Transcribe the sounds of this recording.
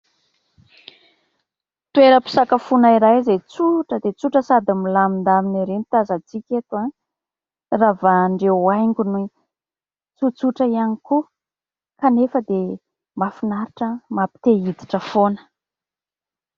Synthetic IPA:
t̪ueɾəpi̥sakafunaiɾajzet͡suʈ͡ʂəd̪et͡suʈ͡ʂəsad̪amilamind̪aminiɾenit̪azat͡sikʲet̪uan | ravaɳɖ͡ʐeajŋɡʲunui | t͡sut͡suʈ͡ʂəianiku | kanefəd̪e | mafinaɾiʈ͡ʂəmapi̥t̪eid̪i̥ʈ͡ʂəfonə̥

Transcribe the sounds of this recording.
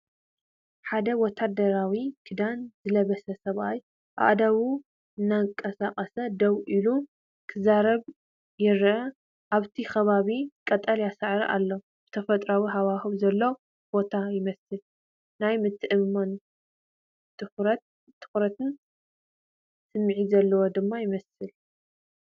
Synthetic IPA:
ħad̪ɐwɔt̪ʰad̪ɐɾawikʰɨd̪anzɨlɐβɐsɐsɐβaj | ʔa̰ʔd̪aβu | ɨnːakʼɐsaqʼɐsɐd̪ɐwʔilu | kʰɨzaɾɐβ | jɪɾɐ | ʔaβt̪ʰixɐβaβikʼɐt̪ʼɐljasɨʕɾiʔa̰lːo̞ | b̥ɨt̪ʰɐfɐt̪ʼɾawiɦaβahɨβzɐlːo | b̥o̞t̪ʰajɪmɐsɨl | najmɨt̪ʰːɨʔɨmmon | t̪ʰʼɨxɾɐt̪ | t̪ʰːɨ̥xɾɐt̪ʰɨn | sɨmːʕizɐlːɐwod̪ɨmːajɪmɐsɨl

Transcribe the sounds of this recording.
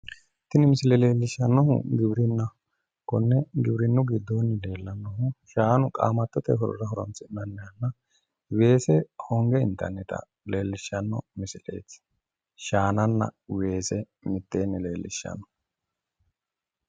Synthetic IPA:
t̪ɪnɪmɪsɪlɛle̞ːlːɪʃːɐnːɔɦʊ̰ɡɪbɾɪnːɐ | kɔnːɛɡɪbɾɪnːʊɡɪd̪ːoːnːɪle̞ːlːɐnːɔɦʊʃaːnʊkʼa̰ːmɐt̪ːɔt̪ɛ̰ɦɔɾɔ̰ɾɐɦɔɾɔ̰nt͡sɪnːɐnːɛjɐnːɐ | we̞ːsɛhɔŋɡɛɪnt̪ːɐ̰nːɪt̪ɐ̰ | le̞ːlːɪʃːɐnːɔ̰mɪsɪlḛːt͡sː | ʃaːnɐnːɐ̰we̞ːsɛ | mɪt̪ːeːnːɪle̞ːlːɪ̰ʃːɐ̰nːɔ̥

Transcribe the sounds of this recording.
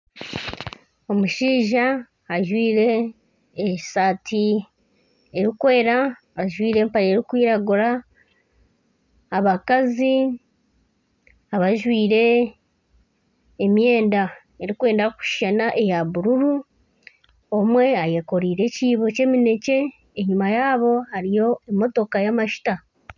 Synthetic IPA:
o̞muʃiːʒaː | ʒwiːɾe̞ː | satʰi | eɾikwe̞ːɾa | aʒwiːɾe̞ːmpaɾeɾikwiːɾaɡuɾa | βakazi | aβaʒwiːɾe̞ | mje̞ːnda | e̞ɾikwe̞ːndaku̥ʃʃanaʔe̞jaβuɾuɾu | o̞mwe̞aje̞ko̞ɾiːɾe̞ciːβo̞ce̞ːmine̞ce̞ː | ɲimajaːβo̞haɾijo̞e̞mo̞to̞kajamaʃi̥ta

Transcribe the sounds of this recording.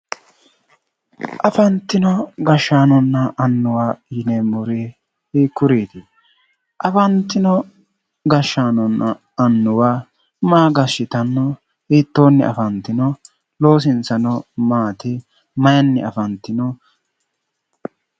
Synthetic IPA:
ʔɐfɐnt̪ːɪnɔɡɐʃːaːnɔnːɐʔɐnːʊwaːjɪnemʊɾi | hiːkːʊɾiːt̪ɪ | ʔɐfɐnt̪ːɪnɔ | ɡɐʃːaːnɔnːɐː | nːʊwaː | maːɡɐʃːɪt̪ɐnːɔ | hiːt̪ːoːnːɪɐ̰fɐnt̪ːɪnɔ | lo̞ːs̬ɪnt͡sɐnɔmaːt̪ɪ | mɐjɐnːɛɐfɐnt̪ːɪnɔ

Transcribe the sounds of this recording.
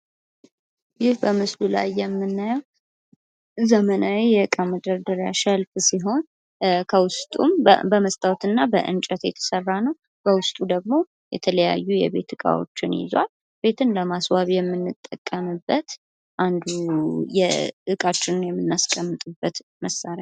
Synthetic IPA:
jɪhbəmɨslula̰jːɛmːɨnːajəw | zəmənawijɛɨkʼaməd̪əɾd̪əɾjaʃəlfsiɦo̞n | kʰəwʊst̪ʼṵmbəməst̪ʼawt̪ɨnːabəʔɨ̰nt͡ʃʼət̪jɛ̰t̪ʰə̥sərːanəw | b̥əwʊst̪ʼud̪əɡ̚mo̞ | jɛ̰t̪ʰələja̰jːujɛ̰βe̞̰t̪ʰɨkʼa̰wo̰t͡ʃːɪnjɪ̰zwa̰l | b̥e̞t̪ʰɨnləmaswaβjɛmːɨnːɨt̪ʼːəkʼːəmɨbːət̪ | ʔand̪ujɛ̰ʔɨkʼat͡ʃːɪnɨnjɛmːɨnːaskʼːəmːɨt̪ʼɨbːət̪məsːaɾja

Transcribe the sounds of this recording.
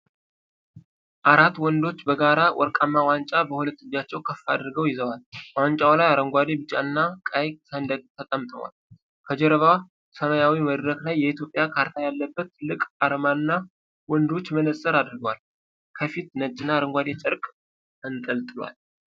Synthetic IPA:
ʔaɾat̪ːwɔnd̪o̞t͡ʃːbəɡaɾawʔɔ̰ɾkʼamːawant͡ʃʼabəhulət̪ːɨd͡ʒːat͡ʃːɛwkʰəfːad̪ɾɨɡəwjɪzəwalwant͡ʃʼawlajaɾəŋɡʷad̪ebɨt͡ʃʼːanːakʼajsənd̪ət̪t̪ʰːət̪ʼəmt̪ʼə̰wa̰l | kʰəd͡ʒɛɾəβa | səmajawiməd̪ɾəklajːɛit̪jo̞pʼjakʰaɾt̪ʰajalːəbːət̪ʰːɨlɨkʼaɾəmanɨnːa | wɔnd̪o̞t͡ʃːmənəsʼəɾad̪ɾɨɡəwal | kʰəfit̪nət͡ʃʼːɪnːaɾəŋɡʷad̪et͡ʃʼɨɾkʼ | ɨnt̪ʼəlt̪ʼɨlwa̰l

